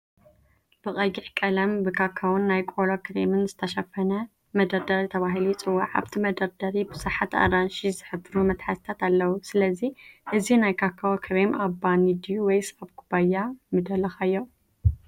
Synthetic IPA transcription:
b̥ɨkʼɐɡiħkʼɐlɐmbɨkʰakʰːawʊnːajkʼolokɨɾḛmɨnzɨt̪ʰɐʃafɐnɐ | mɐd̪ɐɾd̪ɐɾit̪ʰɐβaɦilit͡sʼɨwːaʕa̰βt̪ʰimɐd̪ɐɾd̪ɐɾibɨzaħat̪a̰ɾanʃizɨħɨbɨɾumɐt̪ħasɨt̪ʰat̪alːɐwusɨlɐziʔɨzinajkʰakʰːawokʰɐβemabanid̪ijuwɔjsabkʰubajːamɨd̪ɐlɐxajːo

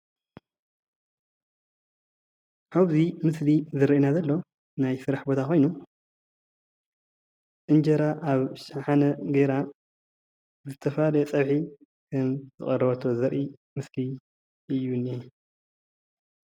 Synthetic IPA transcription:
ʔaβzimɨslizɨɾɐʔinazɐlːo̞ | najsɨɾaħbot̪ʰako̞jnu | ʔɨnd͡ʒɐɾaʔaβʃaħanɐɡeɾa | zɨt̪ʰɐfalɐjɛt͡sʼɐβħi | kʰɐmzɨχʼɐɾɐβɐt̪ʰo̞zɐɾʔi | mɨsli | ʔɨjːunːi

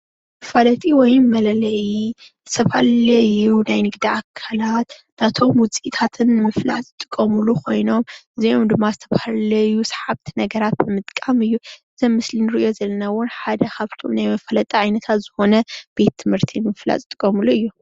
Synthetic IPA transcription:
mɨfalɐt̪ʼiwɔjmɐlɐlɐji | sɐβallɐjunajnɨɡd̪iakʰːalat̪d̪at̪ʰo̞mwʊt͡sʼit̪ʰat̪ʰɨnɨmɨfla̰zɨt̪ʼɨkʼːɐmulukʰo̞jno̞mʔɨziomd̪ɨmːazɨt̪ʰɐβahalɐjusħaβt̪ʰi̥nɐɡɐɾat̪̚bɨmɨt̪ʼkʼamɨjːuʔɨzɐmmːɨslinɨɾiʔijo̞zɐlɐnawʊnħad̪ɐkʰaβt̪ʰomnajmɐfɐlɐt̪ʼɐʕajnɐt̪ʰat̪z̥ɨxo̞nɐb̥e̞t̪ʰːɨmhɨɾt̪ʰinɨmɨfla̰zʼɨt̪ʼɨkʼːɐmuluɨjːu

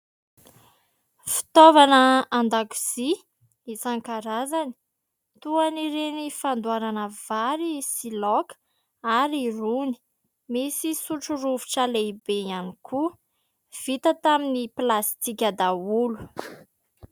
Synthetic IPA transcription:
fi̥t̪ovanəand̪aku̥z̥i | it͡saŋkaɾazani̥ | t̪uaniɾenifand̪uaɾanəvaɾisilɔk | aɾiruni̥ | misisuʈ͡ʂuruvuʈ͡ʂaleibeianikʰu | v̥it̪ət̪aminiplast̪ikʲad̪aulu̥

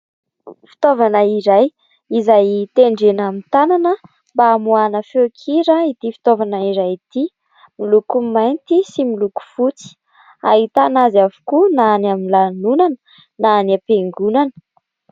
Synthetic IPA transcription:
fi̥t̪ovanəiɾaj | izajt̪eɳɖ͡ʐenamint̪ananə | mbaːmuanəfekʰiɾait̪ifi̥t̪ovanaiɾajt̪i | milukumajnt̪isimiluku̥fut͡si̥ | a̰ɦit̪anazavu̥kunaːnaminlanunanə | naːnapeŋɡunanə̥

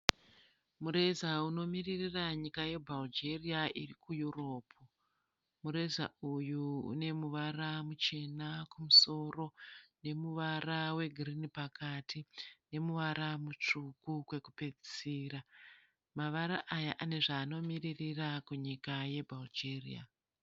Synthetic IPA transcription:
muɾe̞zauno̞miririraɲikaje̞bʱald͡ʒe̞riaʔirikujuro̞ːpʰu | muɾe̞za̰ujuṵne̞muʋaramut͡ʃe̞nakumuso̞ro̞ne̞muʋarawe̞ɡʱirinipakatʰine̞muʋaɾamut͡ʂukukwe̞kupe̞d͡zisiːra | maʋaɾaʔajaʔane̞ʐaːno̞miririrakuɲikaje̞bʱald͡ʒerḭa̰

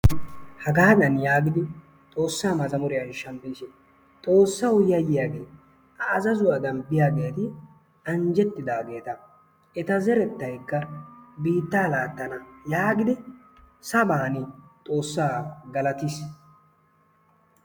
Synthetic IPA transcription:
hɐɡaːd̪ɐnjaːɡɪd̪ɪ | t̪ʼo̞ːsːaːmɐzɐmʊɾɪjɐnʃɐmbiːʃɪ | t̪ʼo̞ːsːɐʊjjɐjɪjaːɡe̞̰ː | ɐːzɐzʊɐd̪ɐnbɪjaɡe̞ːt̪ɪ | ɐnd͡ʒɛt̪ːɪd̪aːɡe̞ːt̪ɐ | ɛt̪ɐzɛɾɛt̪ːɐjkːɐbiːt̪ːaːlaːt̪ːɐnɐjaːɡɪd̪ɪ | sɐbaːnɪt̪ʼo̞ːsːaːɡɐlɐt̪is

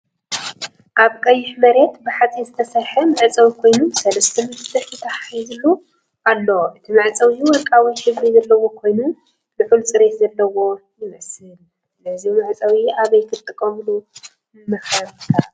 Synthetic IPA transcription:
ʔaβkʼɐjːɪħmɐɾe̞t̪bɨħat͡sʼizɨt̪ʰɐsɐɾħɐmɨʕt͡sʼɐwikʰo̞jnusɐlɐst̪ʰɐmɨnt̪ʰɨħit̪ʰaħajzɨlːu | ʔalːoʔɨt̪ʰimɨʕt͡sʼɐwiwɔlkʼawiħɨβɾizɐlːɐwo̞kʰo̞jnu | nɨfɨlsʼɨɾe̞t̪zɐlːɐwo̞jɪmɐsɨl | nɨzimɨʕt͡sʼɐwiaβɐjk̪ʰɨt̪ʼɨkʼːɐmlu | ɨmɐxɐβkʰa

